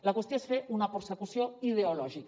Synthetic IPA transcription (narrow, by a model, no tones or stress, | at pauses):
lakwest̪joesfeʔunapeɾsekusjoiðeolɔʒik